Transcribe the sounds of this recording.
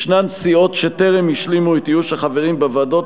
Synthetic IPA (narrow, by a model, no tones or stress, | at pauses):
ʃnansio̞t̪ʃeteʁemiʃlimuet̪ijuʃaχaveʁimbevado̞t